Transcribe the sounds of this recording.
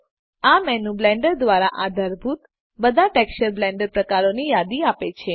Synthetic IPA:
amɛnublɛ̃ɳɖəɾd̪ʋaɾaʔad̪ʱəɾbʱut̪ | bəd̪ʱaʈekʃəɾblɛ̃ɳɖəɾpɾəkaɾonijad̪iapet͡ʃʰe

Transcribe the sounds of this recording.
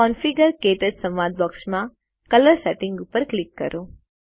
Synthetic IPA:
ɔnfiɡəɾkeʈəɖsəmʋad̪̚bɔksmã | kələɾsɛʈɪŋɡʊpːəɾklɪkːə̰ɾʔo

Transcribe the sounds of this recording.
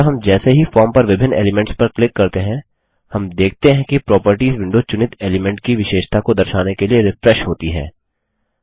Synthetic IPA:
ɦɐmd͡ʒɛːseɦifɔːɾmpɐɾʋɪbʱɪnḛːlɪmɛ̃ɳʈspɐɾklɪkːɐɾt̪eɦɛ̃ | hɐmd̪eːk̚ʰt̪eɦɛ̃kipɾɔːpəɾʈiːzʋɪ̃ɳɖot͡ʃʊnɪt̪eːlɪmɛ̃ɳʈ̚kiʋɪʃeːʃt̪ʰakod̪ɐɾʃaːnekelieɾɪfɾɛʃɦoːt̪iɦɛ̰ː

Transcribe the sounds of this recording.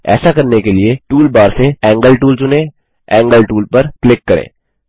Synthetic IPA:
ɛ̰ːsakɐɾnekelieʈuːlbaːɾseɛ̃ːŋɡəlʈuːlt͡ʃʊnẽː | ɛ̃ːŋɡəlʈuːlpɐɾklɪkːɐɾḛ̃ː

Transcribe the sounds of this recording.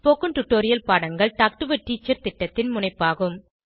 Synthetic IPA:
poːkːɯnʈʊʈːoːɾɪjɐlpaːɽɐŋɡɐɭʈaːk̚ʈɯʋɐʈːiːt͡ʃːɐɾt̪ɪʈːɐt̪ːɪnmʊnɐɪpːaːɣɯm

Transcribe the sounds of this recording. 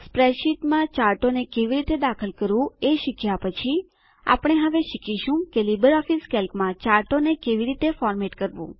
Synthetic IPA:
spɾɛʃiʈmãt͡ʃaːɾʈonekeʋiɾit̪ed̪akʰəlkəɾʋũeʃɪkʰjapət͡ʃʰi | a̰pɽ̃eɦəʋeʃɪkiʃũkelibəɾɔfiskɛlkmãt͡ʃaːɾʈonekeʋiɾit̪efɔːɾmeʈkəɾʋṵ̃

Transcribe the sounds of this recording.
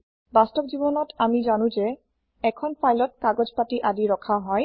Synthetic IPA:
bastɔb̚zibɔnɔtamizanũze | ɛkʰɔnpʰajlɔt̚kaɡɔzpatiʔadiɹɔkʰaɦɔj

